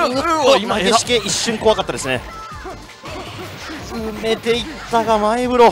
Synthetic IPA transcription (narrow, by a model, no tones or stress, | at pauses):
imaɡeɕi̥keiɕːɨ̃ŋko̞βakat̪ːad̪e̞sɨne | zɨme̞t̪e̞itt̪ːaɡamaebɯ̟ɾo